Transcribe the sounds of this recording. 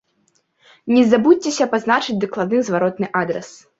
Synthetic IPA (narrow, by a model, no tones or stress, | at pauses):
nʲɛzabut̚ʲt͡sʲɛsʲɐpaznat͡ʂɨd͡zʲd̪ɐklˠad̪̚nɨzvaɾɔt̪nɨʔad̪ɾɛ̰s